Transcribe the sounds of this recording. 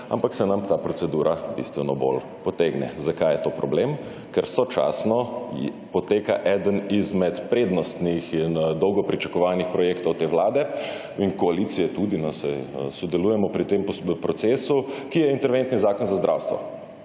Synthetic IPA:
a̰mpaksɛnamt̪aːpɾɔtsɛd̪uːɾʔabḭst̪ʋɛnɔbo̰l | pɔt̪eɡnɛ̰zakajɛt̪oːpɾɔblem | kɛɾsɔt͡ʃa̰snɔ | pɔt̪eːka̰ʔɛːd̪ənizmɛt̪pɾeːd̪nɔst̪nixind̪ɔwɡɔpɾit͡ʃḁkɔʋanixpɾɔjeːkt̪ɔwt̪eːʋlaːd̪ɛ | inkɔalit̪sijɛt̪ud̪inasɛjsɔd̪ɛluːjɛmɔpɾit̪emppɾɔt̪seːsukijɛint̪ɛɾʋent̪nizaːkɔnzazd̪ɾʔawst̪ʋɔ̰

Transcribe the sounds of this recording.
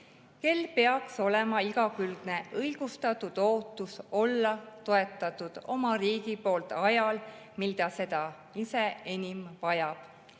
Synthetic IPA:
ke̞lːpe̞ɑkso̞le̞mɑiɡ̥ɑkyld̪̥ne̞ʔɤjɡ̥ust̪ɑt̪ːud̪̥o̞ːt̪ːˑuso̞lːɑt̪o̞e̞t̪ːˑɑt̪ud̪̥o̞mɑriːɡipo̞ːlt̪ɑjɑl | mild̪̥ɑse̞d̪̥ɑ | ise̞enʲimvɑjɑb̥

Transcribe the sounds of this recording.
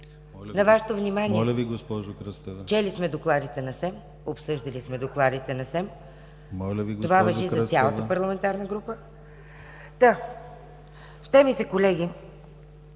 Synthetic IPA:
nɐvaʃɛ̥t̪ovnimaniɛlviɡospɔʒokɾəst̪t͡ʃɛlismɛd̪oklˠad̪it̪ɛnɐsɛm | opsɤʒd̪ɐlismɛd̪oklˠad̪it̪ɛnɐsɛm | mɔlʲəviɡ̪ovavɐʒiɐsʲalˠət̪əpɐɾlˠɐmɛnt̪aɾnəɡɾupə | t̪a | ʃt̪ɛmisɛkolɛɡi

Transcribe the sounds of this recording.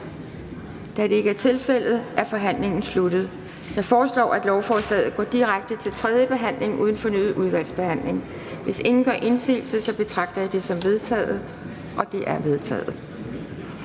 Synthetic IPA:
d̥æd̥e̝e̝ɡ̥əæɐt͡sʰe̝lfel̰ð̞̩ˠæɐfɒ̽ɦæn̰leŋn̩slud̥ð̩ˠ | jɑ̈ɪfɒːslɒ̰ːæd̥lɒʊfɒːsd̥ɛ̰ːð̩ˠɡ̥ɒ̰ːd̥iʁaɡ̥̚d̥ət͡sʰe̝lt͡sʰʁɛð̞ˠjəb̥e̝ɦæn̰le̝ŋʔuð̞ˠn̩fɒ̽ny̰ːð̩ˠuð̞ˠʋæl̰sb̥e̝hæn̰le̝ŋ | ʋe̝se̝ŋn̩ɡ̥ɶ̰ɐʔe̝nsḭːl̩səsɒ̽b̥e̝t͡sʰʁɑ̈ɡ̥̚d̥ɐjäd̥e̝sɒ̽mʋe̝ð̞ˠt͡sʰɛ̰ːð̩ˠ | ʔɒ̽d̥e̝ʔæɐʋe̝ð̞ˠt͡sʰɛ̰ːð̩ˠ

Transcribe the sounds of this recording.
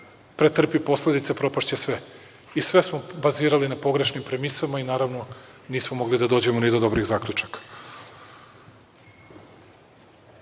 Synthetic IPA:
pɾet̪r̩pipo̞sle̞d̪it̪sepɾo̞paʃt͡ɕesʋe̞ | isʋe̞smo̞baziːɾalinapo̞ɡɾe̞ʃnimpɾe̞misamainaːɾavʋno̞ | niːsmomo̞ɡlid̪ad̪o̞ːd͡ʑe̞monid̪o̞d̪o̞bɾiɣzaːkʎʲut͡ʃakḁ

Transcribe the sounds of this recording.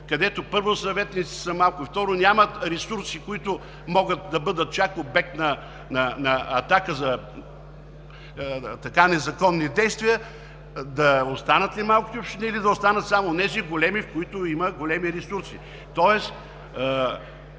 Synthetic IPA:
kɐd̪ɛt̪opɤɾvosɐvɛt̪nit̪si̥sɐmalˠkʊift̪ɔɾʊnʲamɐt̪ɾɛsuɾsikʊit̪ʊ | mɔɡət̪̚d̪ɐbɤd̪ət̪̚t͡ʃakobɛk̚t̪nɐ | nɐnɐɐt̪akəzɐ | t̪ɐkanɛzɐkɔnːid̪ɛjst̪vijə | d̪ɐost̪anət̪limalˠki̥t̪ɛopʃt̪iniːlid̪ɐost̪anət̪samoːnɛziɡolɛmifkoit̪ʊiməɡolɛmiɾɛsuɾsi | t̪ɔɛs

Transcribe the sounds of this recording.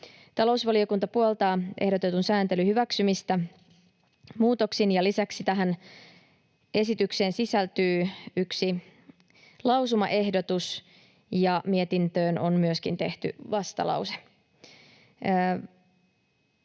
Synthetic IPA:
t̪ɑlo̞usʋɑlio̞kunt̪ɑpuolt̪ɑːʔehdo̞t̪e̞t̪unsæːnt̪e̞lyhyʋæksymist̪æ | muːt̪o̞ksinjɑlisæksit̪æɦæn | e̞sit̪ykse̞ːnsisælt̪yːyksi | lɑwsumɑ̰ʔe̞hdo̞t̪us | jɑmiet̪int̪ø̞ːno̞nmyøskint̪e̞ht̪y̰ʋɑst̪ɑ̰lɑ̰wse̥

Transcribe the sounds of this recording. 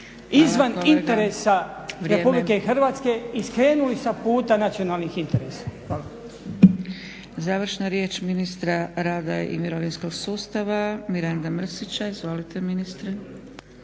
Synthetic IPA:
izʋanint̪eɾesaʋɾeeːpubblikeixr̩ʋaːt̪skeiskɾeːnulisapuːt̪anat̪sionaːlˠnixint̪eɾesḁxaːla | zaːʋr̩ʃnaɾje̞ːt͡ʃminist̪ɾaɾaːd̪ajḛʔḭmiɾoʋinsko̞ɡsuːst̪aʋamiɾand̪amr̩sit͡ɕaizʋo̞lit̪e̞minist̪ɾe

